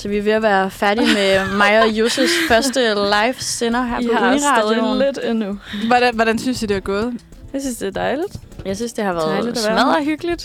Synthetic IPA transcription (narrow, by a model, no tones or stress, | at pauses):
sɒʋiʋe̝æʋæːɐfæɐɾ̥imemɑ̈ɪjo̝sesfɶɐsd̥əlɑ̈ɪfsenɐɦæɐɑðˠled̥enːuʋɒdʋɒɾ̥ænsynsd̥id̥e̝ʋæɡ̥ɔ̽ːðˠ | jasynsd̥e̝ɐd̥ɑ̈ɪlid̥ | jɑ̈ɪsynsd̥e̝hɑ̈ʋæːɐðˠmæðˠɐɦyɡ̥əlid̥